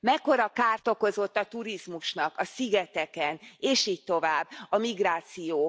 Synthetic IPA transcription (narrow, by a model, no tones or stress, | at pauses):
mɛkːo̞ɾɒkaːrt̪o̞ko̞zo̞t̪ːɒt̪uɾizmuʃnɒkɒsiɡɛt̪ɛkɛneːʃiːc̚t̪o̞vaːbːɒmiɡraːt̪sijoː